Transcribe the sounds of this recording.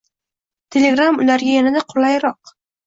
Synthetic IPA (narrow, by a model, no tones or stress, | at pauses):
t̪ʰe̞le̞ɡɾamʊlaɾɡʲajanad̪aqʰʊlajɾɒq̚